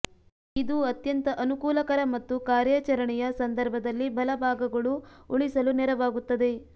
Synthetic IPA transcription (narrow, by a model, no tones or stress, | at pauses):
id̪uɐt̪jɐnt̪ɐʔɐnukuːlɐkɐɾɐmɐt̪ːukaːɾjɐt͡ʃɐɾɐɳɛjɐsɐnd̪ɐɾbʱɐd̪ɐlːibʱɐlɐbʱaːɡɐɡɐɭuuɭisɐlunɛɾɐʋaːɡut̪ːɐd̪e̞